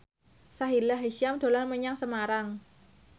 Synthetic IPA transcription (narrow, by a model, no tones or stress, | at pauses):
saɦilaɦeʃiamd̪̥o̤lanməɲaŋsəmaɾaŋ